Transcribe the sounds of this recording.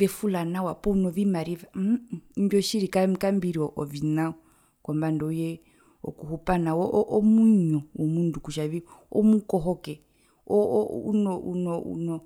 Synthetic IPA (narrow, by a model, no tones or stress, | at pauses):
vɛfulanawapɔunɔvimaɾivamd͡ʒɔʃiɾikamkambiɾiɔʔɔvinaɔ | kɔmbandɔujɛ | ɔ̰kuɦupanawɔʔʔɔmuiɲɔwɔmundukuʃaβiɔ̰mukɔɦɔkɛ | ɔunɔṵnɔṵnɔ